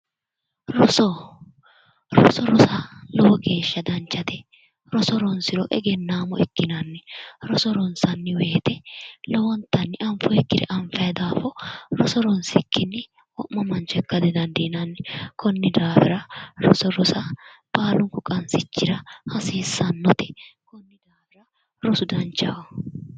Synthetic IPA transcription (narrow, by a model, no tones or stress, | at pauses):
ɾɔsɔ | ɾɔsɔɾɔsɐlɔwɔɡe̞ːʃːɐd̪ɐnt͡ʃːɐt̪ɛ | ɾɔsɔɾɔnsɪɾɔʔɛɡɛnːaːmɔɛkːɪnɐnːɛɾɔsɔɾɔnsɐnːɪweːt̪ɛlɔwɔnt̪ːɐnːɪʔɐmfɔɛkːɪd̪ɛ̰ʔɐɱfɐjd̪aːfɔɾɔsɔɾɔnsɪkːɪnːɪ | wɔʔmːɐmɐnt͡ʃɔɛkːɐd̪ɛd̪ɐnd̪inɐnːɛkʰɔnːɪd̪aːfɪɾɐɾɔ̰sɔɾɔsɐb̥aːlʊŋkʊkʼɐnsɪt͡ʃːɪɾɐhɐsiːsːɐnːɔt̪ɛ̥kɔnːɪd̪aːfɪɾɐ | ɾɔsʊd̪ɐnt͡ʃːɐwɐ